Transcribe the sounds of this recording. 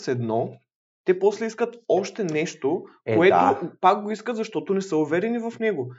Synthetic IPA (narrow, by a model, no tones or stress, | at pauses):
sɛd̪nɔ | t̪ɛpɔslɛiskɐt̪ɔʃt̪ɛnɛʃt̪okoɛ̰opak̚ɡoiskɐt̪zɐʃt̪ɔt̪onɛsəuvɛɾɛnivɐfnɛɡo